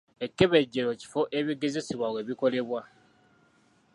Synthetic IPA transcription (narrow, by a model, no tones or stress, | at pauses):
e̞kːe̞βe̞ɟːeɾo̞ci̥fo̞ʔeβiɡe̞ze̞siβwawe̞βiko̞le̞βwa